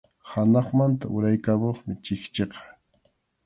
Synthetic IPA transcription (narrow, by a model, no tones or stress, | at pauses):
hanɑχmant̪aʔʊɾajkamoχmɪt͡ʃɪkt͡ʃeqɑ̥